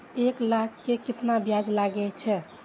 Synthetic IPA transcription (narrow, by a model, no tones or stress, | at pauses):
eklakʰːekit̪nabjad͡ʒlaɡɛt͡ʃʰɛ